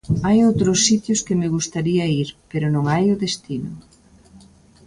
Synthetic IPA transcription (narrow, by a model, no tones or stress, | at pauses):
ajowt̪ɾʊsːit̪jʊskɪmɪɣ̞ust̪aɾiɐiɾpeɾʊnõŋajʊðest̪inʊ̰